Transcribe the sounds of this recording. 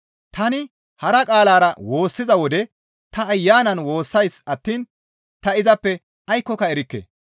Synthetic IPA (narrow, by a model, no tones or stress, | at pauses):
t̪ɐnɪ | hɐɾɐkʼaːlaːɾɐwo̞ːsːɪzɐwɔd̪ɛ | t̪ɐːjːaːnɐnwo̞ːsːɐjsɐt̪ːiːn | t̪ɐɪzɐpːɛ | ʔɐjkːɔkɐɛɾɪkːḛː